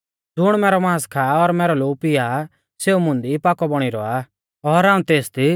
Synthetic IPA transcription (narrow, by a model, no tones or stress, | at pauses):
d͡zʊɽ̃mɛːɾɔmãːskʰaːɔɾmɛːɾɔloːpɪa | seːumʊ̃nd̪ipaːkɔbɔɽ̃iɾɔa | ɔɾaːũt̪eːst̪i